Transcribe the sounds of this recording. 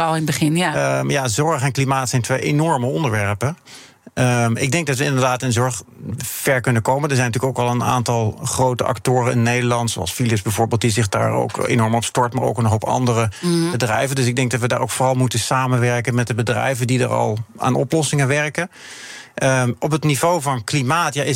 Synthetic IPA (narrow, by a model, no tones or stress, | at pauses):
ɪnbəχɪnjazɔɹχɛnklimaːtsɛjntʋejʔenɔɹməɔndəɹʋɛɹpə | əɪɡ̚dɛŋk̚dɑtʋəɪndəɹdaːtɪnzɔɹχfɛɹkɵnəkowməndəɹzɛjnɑtyːəlkoʊwkɑlˠəna̰ːntɑlˠχrowtəʔɑ̰ktoːɾənɪnːejdəɹlɑntsoɑ̰lˠsfiləszbɛjvoːɹbeːlˠtdizɪχda̰ːɹo̰wkḛnɔɹmɔpstɔɹtmaːɹo̰wkənɦopɑ̰ndərəbədrɛjvəndɵs̬ɪɡ̚dɛŋɡdɑtʋədaːɹʔo̰wkfoːrɑlˠmutəsaːmənʋɛɹkənmɛt̚dəbədrɛ̰jvəndidə̰ɹɑ̰lˠa̰ːnɔ̰plɔsɪŋənʋɛɹkə | ɔpətnivowvɑnklimaːtjaʔɪ